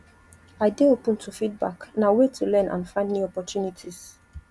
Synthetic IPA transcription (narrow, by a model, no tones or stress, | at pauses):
aɪdeopə̃ntʰufid̚ba̰knawetʰulɛ̃nʔã̰nfãɪ̃ndniɔpɔtjunitʰis